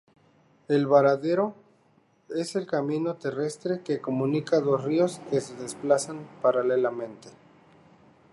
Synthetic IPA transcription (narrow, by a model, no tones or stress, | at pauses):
e̞lβaɾaðe̞ɾo̞ | e̞se̞lkamĩno̞t̪e̞re̞st̪ɾe̞ke̞ko̞mũnikaðosrio̞skeseðe̞splasanpaɾalelamẽ̞nt̪e